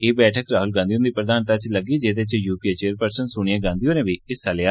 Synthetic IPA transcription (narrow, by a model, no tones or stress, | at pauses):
eːbɛːʈʰəkɾaːɦʊlɡãːd̪ijõnd̪iːpɾəd̪aːnt̪at͡ʃləɡiːd͡ʒeːd̪eːt͡ʃjuːpiːeːt͡ʃeːɾpəɾsənsʊɳ̃ijaːɡãːnd̪ijõːnẽːʋiːɪsaljaː